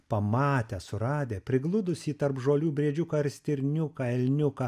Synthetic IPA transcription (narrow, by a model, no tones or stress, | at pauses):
pɐmɑːt̪ʲɛsʊɾɑːd̪ʲeːpʲɾʲɪɡlˠʊd̪ʊsʲiːt̪ɐɾpʒoːlʲuːbʲɾʲeɛd͡ʒʲʊkːɐɾʲsʲt̪ʲɪɾʲnʲʊkɑːɛlʲnʲʊkɐː